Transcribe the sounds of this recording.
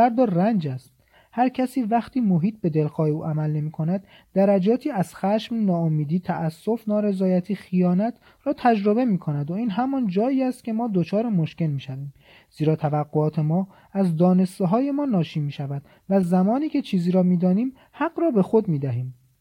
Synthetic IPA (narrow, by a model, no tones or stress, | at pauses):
æɾd̪ɒːɾrænd͡ʒæst̪̚ | hæɾcʰæsiːvæxt̪ʰiːmoɦiːt̪̚be̞d̪elxɒːjeuːʔæmælne̞miːkʰo̞næd̪ː | æɾæd͡ʒɒːt̪ʰiːæz̥xæʃmnɒːomiːd̪iːt̪ʰæʔæsːo̞fnɒːɾe̞zɒːjæt̪ʰiːxijɒːnæt̪ʰ | ɾɒːt̪ʰæd͡ʒɾobe̞miːkʰo̞næd̪oiːnɦæmɒːnd͡ʒɒːiːæst̪̚kʲcʰe̞mɒːd̪ot͡ʃʰɒːɾemoʃce̞lmiːʃæviːm | z̥iːɾɒːt̪ʰævæɡːoɒːt̪ʰe̞mɒː | æzd̪ɒːne̞st̪eɦɒːje̞mɒːnɒːʃiːmiːʃævæd̪̥ | væzæmɒːniːcʰe̞t͡ʃʰiːziːɾɒːmiːd̪ɒːniːm | hæɡɾɒːbe̞xo̞d̪miːd̪æɦiːm